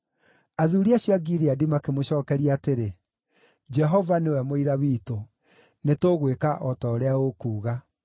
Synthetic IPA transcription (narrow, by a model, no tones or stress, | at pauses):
aðuɾiaɕjɔaɡiɾeadimakemoɕɔːkɛɾiaːteɾe | d͡ʒɛɦɔvanewɛmoiɾawiːto | netoɣwekaʔɔtɔːɾeaokuːɣa